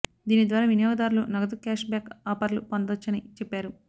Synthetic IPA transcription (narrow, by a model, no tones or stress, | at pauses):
d̪iːnid̪ʋaːɾaːʋinjɔːɡɐd̪aːɾulunɐɡɐt̪̬ukaːʃbaːkaːpɐɾlupɐnd̪ɐt͡ʃːɐnit͡ʃepːaːɾu